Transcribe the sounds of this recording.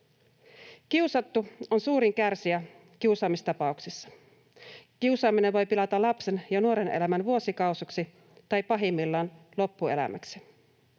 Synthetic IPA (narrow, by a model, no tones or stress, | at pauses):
k̟iusɑt̪ːuo̞nsuːɾiŋkærsiæ | kiusɑːmist̪ɑpɑuksisːɑ̥ | kiusɑːmineʋo̞jpilɑt̪ɑlɑpse̞njɑnuo̞ɾe̞nḛlæmænʋuo̞sikɑwsuksi | t̪ɑjpɑɦimːilːɑːn | lo̞pːue̞̰læ̰mæ̰ksi̥